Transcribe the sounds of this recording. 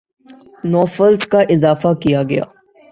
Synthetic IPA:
nɔːfəlskaʔɪzaːfakijaɡɐja̰ː

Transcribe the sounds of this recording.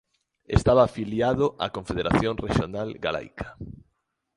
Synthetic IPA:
ḛst̪aβaːfiljaðoʔa̰kõɱfeðeɾaθjõŋreʃonalɡala̰jkʰḁ

